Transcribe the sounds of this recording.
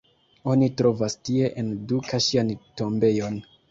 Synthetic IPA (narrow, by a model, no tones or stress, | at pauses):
o̞nitɾo̞vastie̞ʔendukaʃianto̞mbe̞jo̞n